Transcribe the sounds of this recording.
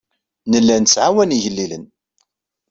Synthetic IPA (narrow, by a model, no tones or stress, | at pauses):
nəlːænsʕawæniʝəlːilən